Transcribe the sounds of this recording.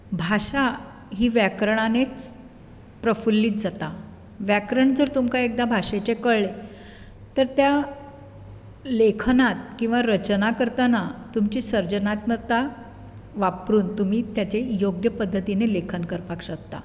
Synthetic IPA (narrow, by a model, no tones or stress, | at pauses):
bʱaɕa | ɦiːʋjakɾəɳ̃anet͡s | pɾəfulːiːt̪̚d͡zat̪a | ʋjakɾəɳd͡zəɾt̪umkaek̚d̪abʱaɕet͡ɕekəɭɭe | t̪əɾt̪ja | lekʰnat̪̚kĩw̃ʋaɾət͡ɕnakəɾt̪anat̪umt͡ɕiːsəɾd͡ʑənat̪məɾt̪a | ʋapɾuːnt̪um̤iːt̪jat͡ɕejoɡjəpəd̪ʱːət̪inelekʰənkəɾpakɕək̚t̪a̰